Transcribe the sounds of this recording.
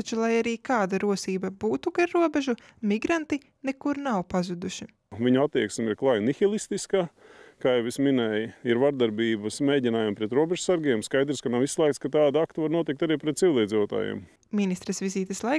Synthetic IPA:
t͡ʃulˠajaɾiːkaːd̪aɾuɔsiːbɐbuːt̪uɡaɾːuɔbɛʒu | miɡɾant̪i | neɛkuɾnawpazud̪uʃi | viɲuat̪ːiɛksmʲiɾklˠajnixilˠist̪iskakaːjɛwisminɛjiɾvaɾd̪aɾbiːbɐsmeːɟʲinaːjampɾɛt̪ɾuɔbʲɛʒusaɾɡiːmskajd̪ɾskanawislˠɛːkt̪skat̪aːd̪akt̪uvaɾnuɔt̪ik̚t̪aɾiːpɾɛt̪̚sivʲilˠiɛːd̪ziːʋot̪a̰ːjḛm | minist̪ɾɛsʋiziːt̪ɛslˠa

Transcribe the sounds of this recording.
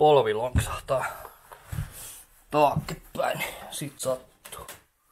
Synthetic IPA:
olʋiloŋksɑ̥ht̪ɑː | t̪ɑːkːet̪pæ̰inisiˑt̪sɑt̪ːu̥

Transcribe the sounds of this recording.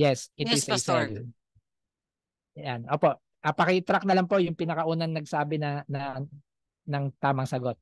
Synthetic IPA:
jɛsʔɪt̪ɪsjsɛl | janʔo̞ːpo̞ʔ | ʔɐpɐkɪt̪ɾak̚nɐlaŋpo̞ʔjʊŋpɪnɐkɐʔuːnɐŋnɐɡ̚saːbɪnɐnɐ | nɐŋt̪aːmɐŋsɐɡot̪̚

